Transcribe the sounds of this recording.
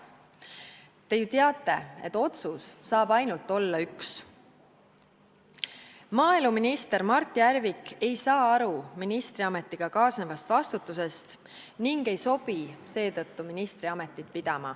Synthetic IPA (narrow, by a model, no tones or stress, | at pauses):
t̪e̞jut̪eɑt̪ˑːe̞e̞̰t̪ːˑo̞t̪susːɑːb̥ɑjnult̪ːˑo̞lːɑyks | mɑːeluminist̪e̞ɾmɑrt̪ˑːiæɾvike̞jsɑːɑɾuminist̪ɾiɑmet̪ːˑiɡ̥ɑkɑːsnevɑst̪vɑst̪ut̪ːˑuse̞st̪ | niŋɡ̥e̞jso̞b̥ise̞ːt̪ɤt̪ːuminist̪ɾiɑme̞t̪ːˑit̪̚pid̪̥ɑmɑ̰